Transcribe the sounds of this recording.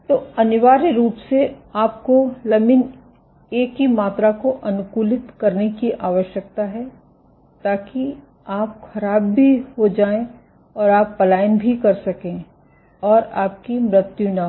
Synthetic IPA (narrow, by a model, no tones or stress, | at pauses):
t̪oːɐnɪʋaːɾeɾuːpseaːp̚kolɐmɪn | eːkɦimaːt̪ɾakoʔɐnʊkuːlɪt̪kɐɾnekiʔaːʋəʃjək̚t̪aɦɛ | t̪aːki | aːp̚xɐɾaːbːʱiɦod͡ʒaːẽ | ɔːɾaːpːɐlaːjənbʱikɐɾsɐkẽː | ɔːɾaːp̚kimɾɪt̪jũna